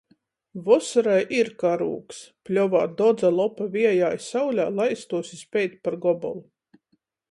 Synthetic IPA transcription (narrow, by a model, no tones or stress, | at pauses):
vɔsaɾajʔiɾkaɾṵːksplʲɔvaːd̪ɔd̪zalˠɔpavʲiɛjaːjsawlʲaːlˠajst̪uɔsispʲɛjt̪ʲpaɾɡɔbɔ̰lˠu